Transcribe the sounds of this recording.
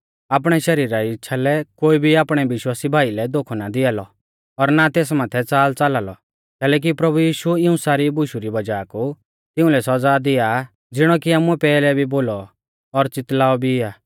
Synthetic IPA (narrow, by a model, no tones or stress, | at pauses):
aːpɽ̃ɛʃɐɾiːɾaɪtːt͡ʃʰalɛkoːibʱiaːpɽ̃ɛʋɪʃwaːsibʱaːilɛd̪oːkʰɔnad̪ɪaːlɔ̰ | ɔɾnat̪eːs̬maːt̪ʰɛt͡saːlt͡salaːlɔ̰ | kɛːlɛːk̬ipɾɐbujiːʃuɪũsaːɾibʊʃuɾibɐd͡ʒaːku | t̪ɪũlɛsɔd͡zad̪ɪja | d͡zɪɽ̃ɔkiaːmũɛpɛːlɛbʱiboːlɔ | ɔɾt͡sɪt̪laːɔbʱiɪaː